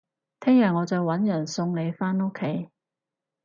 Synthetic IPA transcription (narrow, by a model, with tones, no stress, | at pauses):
t̪ʰɛː˥ŋjɐ˨ŋɔː˨˧t͡sɔ˨˩wwɐ˨˥njɐ˨˩nsʊ˧ŋle˨˧jfaː˥nʊ˥kʰːe˨˥j